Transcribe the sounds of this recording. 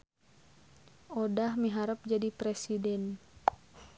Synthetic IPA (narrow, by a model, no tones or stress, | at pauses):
odahmiɦaɾəp̚d͡ʒadipɾɛsidɛn